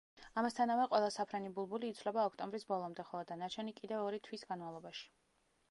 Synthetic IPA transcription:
amast̪ʰanavɛqʼwɛlˠasapʰɾɛnibulˠbuliːt̪sʰvlɛbaɔkʰt̪ʼɔmbɾisbɔlˠɔmd̪ɛχɔlˠɔd̪anat͡ʃʰɛnikʼid̪ɛvɔɾit̪ʰwisɡanmavlˠɔbaʃi̥

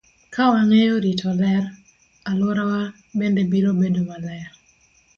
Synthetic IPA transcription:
kawaŋejoɾitʰɔlɛɾ | alɔɾawa | bendebiɾobedomalɛja

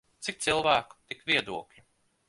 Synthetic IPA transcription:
t̪sik̚t̪silˠvæːku̥t̪ikvʲiɛd̪uɔklʲi

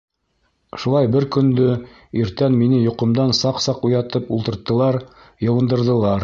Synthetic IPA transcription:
ʃulˠɑjbɘɾkɵ̆nd̪ɵ | iɾt̪ænminɘjŏqɤ̆md̪ɑnsɑqsɑqujɑt̪ɤpulˠt̪ɤ̆ɾt̪ːɤ̆lˠɑɾ | jɤ̆wɤ̆nd̪ɤ̆ɾðɤ̆lˠɑɾ

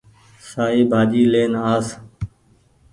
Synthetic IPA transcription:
saːiːbʱaːd͡ʒiːleːnaːs

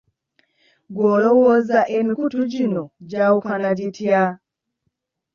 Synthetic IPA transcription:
ɡɔlɔwɔzaʔɛnkutud͡ʒinɔd͡ʒaukanad͡ʒitia

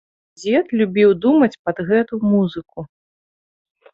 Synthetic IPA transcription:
d͡zʲɛt̪lʲubʲiwd̪umɐt͡sʲpɐd̪ɣɛt̪umuzɨku

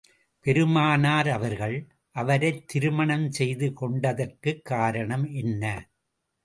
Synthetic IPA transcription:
pɛɾɯmaːnaːɾɐʋɐɾɣɐɭ | ʔɐʋɐɾɐɪt̪ːɪɾɯmɐɳɐmsɛjðɯkɔɳɖɐðɐrkɯkːaːɾɐɳɐmʔɛnːɐ

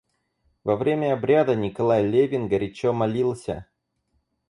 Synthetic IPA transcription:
vɐvɾʲemʲəɐbɾʲad̪ənʲɪkɐlˠajlʲevʲɪnɡəɾʲɪt͡ɕomɐlʲilˠsʲə̰

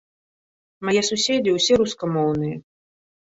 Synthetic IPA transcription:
majɛsusʲed͡zʲiwsʲɛɾuskɐmɔwnɨjɐ

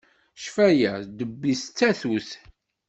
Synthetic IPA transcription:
ʃfæjæd̪əbːist͡sːæθuθ

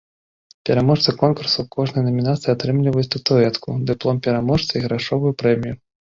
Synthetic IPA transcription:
pʲɛɾamɔʂt̪ɐkɔnkursukɔʐnɨjnɐmʲinat̪sɨjat̪ɾɨmlʲivɐjut͡sʲt̪ut̪uɛt̪kud̪ɨplˠɔmpʲɛɾamɔʂt̪sɐiɣɾaʂɔvujupɾɛmʲiju

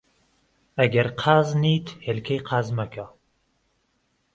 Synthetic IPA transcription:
ɐɡɛɾqʰaːzniːt̪helkʰejqʰaːzmɐka

